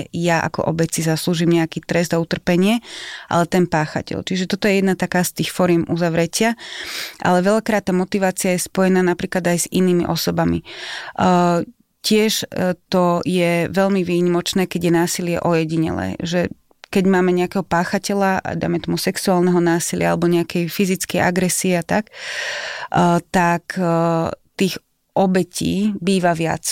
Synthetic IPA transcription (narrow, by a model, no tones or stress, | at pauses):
jaʔa̰kɔ̰ʔɔbɛt͡sizasluːʒiːmɲɛakiːt̪ɾɛzd̪aut̪r̩pɛɲɪɛʔa̰lɛt̪ɛnpaːxa̰cɛ̰lt͡ʃiʒɛt̪ɔt̪ɔjɛjɛd̪nat̪akaːst̪iːxfɔɾɪjɛmʔuzaʋɾɛcɪaʔa̰lɛʋɛʎakɾaːt̪̚ːaːmɔt̪iʋaːt͡siajɛspɔjɛnaːnapɾiːklad̪ajzḭniːmḭʔɔsɔbamḭ | cɪɛʃt̪ɔjɛʋɛʎmiʋiːɲimɔt͡ʃnɛːkɛɟjɛnaːsilɪɛ̰ʔɔjɛɟiɲɛ̰lɛ̰ːʒɛ | kɛɟmaːmɛɲɛakɛːɦɔpaːxacɛlaa̰d̪a̰jmɛt̪ɔmusɛksuaːlnɛɦɔnaːsilɪaa̰lɛbɔɲɛakɛjfizit͡skɛjʔa̰ɡɾɛsiɛat̪ak | t̪ak | t̪iːɣ | ʔɔbɛcʰḭːbiːʋaʋɪa̰t͡s